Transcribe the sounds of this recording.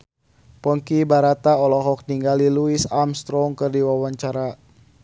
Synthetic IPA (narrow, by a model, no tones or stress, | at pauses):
pɔŋkibaɾat̪aɔlɔɦɔk̚niŋɡaliluisamst̪ɾɔŋkɨrdiwawaɲt͡ʃaɾa